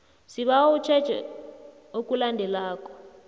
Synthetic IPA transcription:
siβawɔut͡ʃʰɛ̥ʒ̥ʱɛ̰ | okʼulandʱɛlaːkʼɔ̥

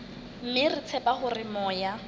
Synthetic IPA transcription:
m̩mɪrɪt͡sʰɛpaχʊrɪmɔːja

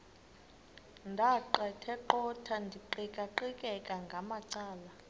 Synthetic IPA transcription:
ndʱaǃɛtʰɛǃɔtʰandʱiǃikʼaǃikʼɛkʼaŋɡʱamaǀaːla

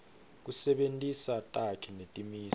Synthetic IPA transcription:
k̬usɛɓentʼisatʼakʰinetʼimiːs

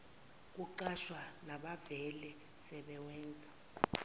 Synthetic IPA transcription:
k̬ʼuǃaʃwanaɓavɛlɛ | sɛɓɛwɛːnd͡zʱa

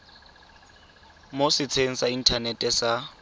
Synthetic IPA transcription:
mosɪt͡sʰeŋ̩sain̩tʰanɛtʼɛsa

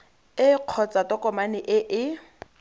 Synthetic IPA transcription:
ɪq͡χʰɔt͡satɔkʼɔmanɪʔɪʔɪ

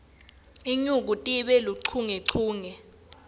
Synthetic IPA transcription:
iɲuk̬utʼiɓɛluǀʰuŋɛǀʰuːŋɛ

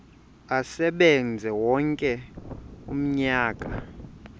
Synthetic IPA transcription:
asɛɓɛnd͡zʱɛwɔŋkʼɛ | um̩ɲaːkʼa

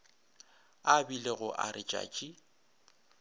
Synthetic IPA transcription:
abileɣʊʔarɪt͡ʃʼa̰ːt͡ʃʼi

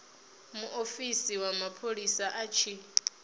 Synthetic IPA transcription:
muʔofisiwamapʰolisaʔat͡ʃʰi

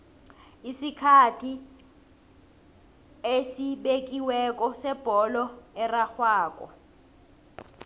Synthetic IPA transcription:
isikʰatʰi | esiɓek̬iwɛk̬ʼɔsɛb̥ʱɔlɔɛraxwaːk̬ʼɔ̰

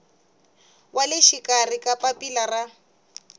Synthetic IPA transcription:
walɪʃikʼarikʼapʼapʼilara

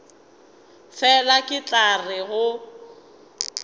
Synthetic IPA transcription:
fɛlakʼɪt͡ɬʼarɪɣʊ

